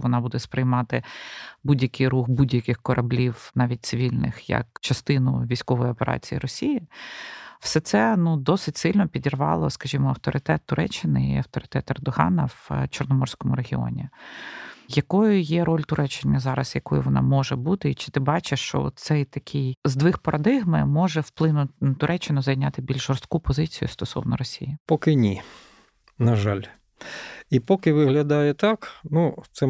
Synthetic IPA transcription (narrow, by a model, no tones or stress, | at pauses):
ʋɔnɑbud̪ɛspɾɪjmɑt̪ɪbudʲjɐkɪjɾuxbudʲjɐkʲɪxkɔɾʔɐblʲiwnɑʋʲit̚ʲt̪sɪʋʲilʲnɪ̰xjɐ̰kt͡ʃɐst̪ɪnʊ̰ʋʲijsʲkɔʋɔjɔpeɾʔɑ̰t͡sʲijḭɾɔsʲiji | w̥sɛt̪sɛnud̪ɔsɪtʲsɪlʲnɔpʲidʲirʋɑ̰lˠɔskɐʒʲimɔɐwt̪ɔɾɨt̪ɛt̪ːʊɾʔɛt͡ʃːɪnɪḭɐwt̪ɔɾɪt̪ɛt̪ɛrd̪ɔɦɑ̰nɐʋt͡ʃɔrnɔmɔrsʲkɔmʊɾeɦʲɪɔ̰nʲi | jɐkɔjʊjɛɾɔlʲt̪ʊɾʔɛt͡ʃːɪnʲːɐzɑɾɐsjɐkɔjʊʋɔnʔɑ̰mɔʒɛbut̪ɪit͡ʃɪ̥t̪ɪbɑt͡ʃɪʃt͡ʃɔ̰t̪sɛjt̪ɐkʲʰɪjzd̪ʋɪxpɐɾʔɐd̪ɪɦmɪ̰mɔʒɛwplˠɪnʊt̪ʊɾʔɛt͡ʃːɪnʊzɐjnʲat̪ɪbʲilʲʒʒɔrst̪̚kupɔzɪt͡sʲijʊ̰st̪ɔsɔ̰wnɔɾɔsʲḭjɪpɔkɪnʲi | nɐʒɑlʲ | ipɔkɪʋɪɦlʲɐd̪ɑjɛt̪ɑknut̪sɛ